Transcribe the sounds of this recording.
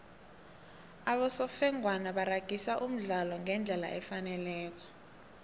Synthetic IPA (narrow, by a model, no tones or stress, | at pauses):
aɓɔsɔfɛŋwanaɓaraɡ̥ʱisaʔum̩ɮalɔŋɛnd͡ɮʱɛla̰ʔɛfanɛlɛːk̬ɔ̥